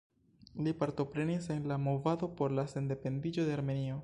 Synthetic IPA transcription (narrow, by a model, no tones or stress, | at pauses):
lipaɾto̞pɾe̞nisenlamo̞vado̞po̞ɾlase̞nde̞pe̞ndid͡ʒo̞de̞aɾme̞nio̞